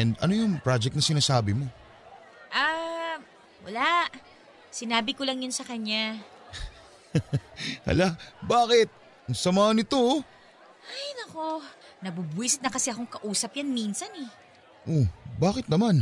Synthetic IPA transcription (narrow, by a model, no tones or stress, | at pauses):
ɛnd̪ɐ̰nojʊŋpɹad͡ʒɛk̚t̪nɐsɪnaːsaːbɪmo̞ | ʔa | wɐ̰laʔ | sɪnaːbɪkolɐŋjʊnsɐkɐɲːa | hɐ̰labaːkɪt̪̚ | ɐŋsɐmaːhɐnɪt̪o̞ | ʔajnɐkonɐbubiːsɪt̪nɐkɐsɛʔɐko̞ŋkɐʔuːsɐpjanminsɐnɛ | ʔobaːkɪt̪̚nɐman